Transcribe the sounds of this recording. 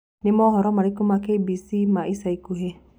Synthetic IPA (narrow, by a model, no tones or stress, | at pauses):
nimɔɦɔɾɔmaɾikumakebisimaʔisajkuɦe